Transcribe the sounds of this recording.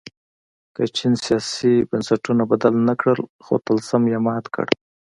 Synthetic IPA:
kat͡ʃinsijɑsibənsaʈunabad̪alnakɽəlxo̰t̪alsamjamɑt̪kə̰ɽ

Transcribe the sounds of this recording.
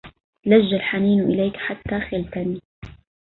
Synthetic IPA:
laʒːalħaniːnʔɪlaːkħat̪ːaxɪlt̪aniː

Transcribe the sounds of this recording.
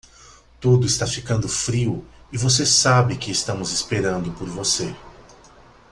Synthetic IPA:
t̪ud̪ʊɪst̪afikɐ̃nd̪ʊfɾiwɪvos̬esabɪkɪːst̪ɐ̃mʊzɪspeɾɐ̃nd̪ʊpoɾvose

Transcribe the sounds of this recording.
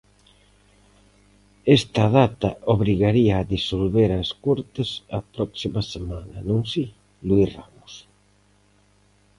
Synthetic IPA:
est̪ɐðat̪ɐoβɾiɣaɾiaːðisolβeɾaskoɾt̪esɐpɾɔksimɐsemanɐ̰nõŋsi | lwisramʊs

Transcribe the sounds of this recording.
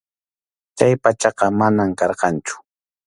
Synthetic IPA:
t͡ʃajpat͡ʃɑqɑmanamkɑɾqɑnt͡ʃʊ̥

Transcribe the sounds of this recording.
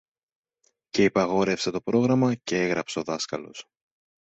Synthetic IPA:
ce̞ipɐɣo̞ɾe̞fset̪o̞pɾo̞ɣɾɐmɐceeɣɾɐpseoðɐskɐlo̞̰s

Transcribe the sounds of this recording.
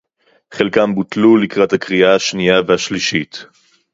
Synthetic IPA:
χelkambutlulikʁathakʁiahaʃnijaveaʃliʃit

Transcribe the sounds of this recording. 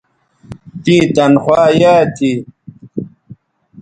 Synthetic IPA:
t̪ĩːt̪ɐnxwaːjaːt̪ʰi

